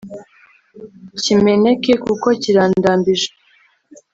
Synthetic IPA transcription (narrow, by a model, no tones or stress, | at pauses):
cime̞ne̞kekuko̞ciɾaːndaːmbiʒe